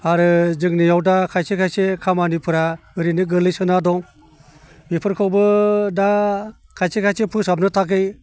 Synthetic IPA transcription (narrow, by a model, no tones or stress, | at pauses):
aɾɯzɯŋnijawdakʰajsekʰajsekʰamanipʰɯɾaɯɾinɯɡɯlɯjsɯnadɔŋ | bipʰɯɾkʰawbɯda | kʰajsekʰajsepʰɯsap̚nɯtʰak̬ɯj